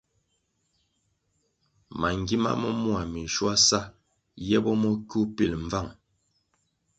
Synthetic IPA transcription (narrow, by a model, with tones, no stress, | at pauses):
ma˨ŋɡi˦ma̰˦mə˦mwa˨mi˨ʃwa˦sa˦ | jɛ˦bɔ˦mɔ˦ku˦pi˨lɱ˨va˦˨ŋ